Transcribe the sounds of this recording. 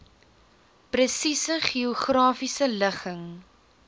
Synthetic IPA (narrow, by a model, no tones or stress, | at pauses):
prəsisəχioχrɑːfisələχəŋ